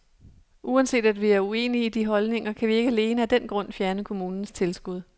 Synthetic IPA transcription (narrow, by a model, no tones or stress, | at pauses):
ʔuænse̝̰ːd̥æd̥ʋiæɐue̝̰ːniid̥iɦɒ̽lne̝ŋɐkʰæʋie̝ɡ̥əæle̝ːnəæd̥en̰ɡ̥ʁɔ̽n̰fjæɐnəkʰo̝muːnn̩st͡sʰe̝lsɡ̥uð̞̰ˠ